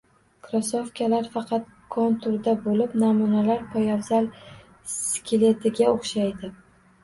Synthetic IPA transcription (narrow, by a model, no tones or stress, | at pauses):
kʰɾosofkʲʰalaɾfɑqʰɑt̪̚ | kʰont̪ʰʊɾd̪abolɪpnamunalaɾpʰɒjawzal | skʲʰɪle̞t̪ʰɪɡʲaoχʃajd̪ɪ